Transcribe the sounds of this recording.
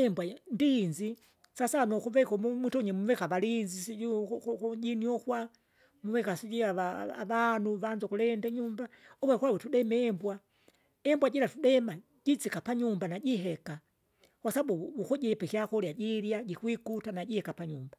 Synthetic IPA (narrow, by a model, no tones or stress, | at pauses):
ɛmbwandinzi | sasanɔkuvɛkɔmumutɔɲɛmuvɛkaʋalinzisikuɟiniɔkwa | muvɛkasiɟiaaa̰ʋanuʋand͡ʒɔkulɛndɛɲumbaɔwɛkwawɛtuɗɛmɛɛmbwa | ɛmbwaɟilatuɗɛma | ɟit͡sikapaɲumbanaɟiɦɛka | kwasabuukɔɟɛpɛkiakɔljaɟiɾjaɟikwikutanaɟihɛkapaɲumba